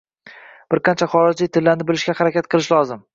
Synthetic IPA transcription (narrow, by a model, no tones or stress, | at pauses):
b̥ɪɾqʰɑnt͡ʃʰaχɒɾɪd͡ʒlɪt̪ʰɪlːaɾnɪbɪlɪʃɡʲahaɾakʲat̪̚qʰɨlˠɪʃlɒzɪm